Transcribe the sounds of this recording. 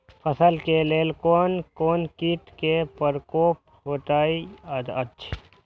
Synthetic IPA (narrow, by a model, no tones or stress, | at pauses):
pʰəsəlkeleːlkoːnkoːnkiːʈ̪kepəɾkoːp̚ | ɦoːt̪aːiəd̪ət͡ʃʰ